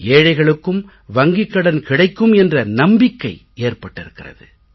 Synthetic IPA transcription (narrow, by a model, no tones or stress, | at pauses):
eːɻɐɪɣɐɭɯkːɯm | ʋɐŋɡɪkːɐɽɐnkɪɽɐɪkːɯmɛndrɐnɐmbɪkːɐɪ | eːrpɐʈːɪɾɯkːɪrɐ̰ðɯ